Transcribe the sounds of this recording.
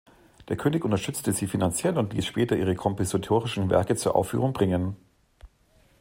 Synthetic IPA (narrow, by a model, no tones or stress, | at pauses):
d̥eːɐkʰøːnɪçʔʊntɐʃtʏt͡stəziːfinant͡sjɛlʊntliːsʃpɛːtɐʔiːʁ̞əkʰɔmpozatʰoːʁɪʃn̩vɛ̰ɐkət͡suːɐʔa̰ʊfːy̰ːʁ̞ʊŋbʁɪŋən